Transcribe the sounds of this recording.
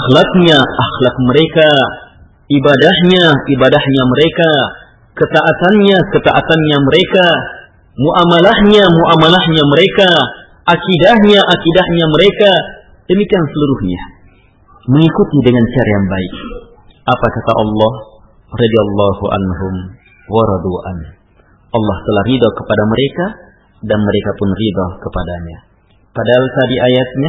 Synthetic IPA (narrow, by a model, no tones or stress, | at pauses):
axlak̚ɲaʔaxlak̚məɾeka | ibadahɲaʔibadahɲaməɾeka | kət̪aʔat̪anɲakət̪aʔat̪anɲaməɾeka | muʔamalahɲamuʔamalahɲaməɾeka | ʔakidahɲaʔakidahɲaməɾeka | d̥əmikiansəluɾuhɲa | məŋikut̪idəŋant͡ʃaɾajaŋbaɪk̚ | ʔapakat̪aʔɑlːɑh | rɑd̪iɑlːɑhuʔa̰nɦʊm | waɾɑd̪uʔa̰n | ʔɑlːɑht̪əlahrid̪ɔkəpadaməɾeka | danməɾekapʊnrid̪ɔkəpadaɲa | padaalt̪adiʔajat̪̚ɲa